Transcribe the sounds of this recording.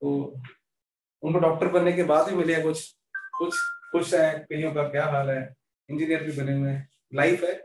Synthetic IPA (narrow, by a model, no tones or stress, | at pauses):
t̪oː | ʊnkoɖɔːk̚ʈəɾbɐnːekebaːd̪bimɪleɛkʊt͡ʃʰ | kʊt͡ʃʰkʊt͡ʃɛkɐɦĩjõkakjaːɦaːlɦɛ | ɪ̃nd͡ʒinijəɾbʱibɐnemẽ | laɪfɦɛː